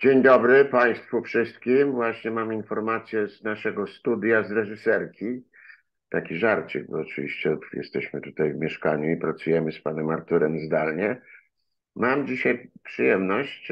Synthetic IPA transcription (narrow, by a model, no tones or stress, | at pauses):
d͡ʑeɲd̪ɔbɾɘpaj̃st̪fufʂɘst̪̚kʲimvwaɕɲɛmaminfɔɾmat̪sʲjɛznaʂɛɡɔst̪ud̪jazɾɛʐɨsɛɾkʲi | t̪akʲiʐaɾt͡ɕɨɡ̚bɔːt͡ʂɨvʲiɕt͡ɕɛjɛ̰st̪ɛɕmɘt̪ut̪ajvmʲjɛʂkaɲuipɾat̪sujɛmɘspanɛmaɾt̪uɾɛmzd̪alɲɛ | mamd͡ʑiɕajpʂɨjɛmnɔɕt͡ɕ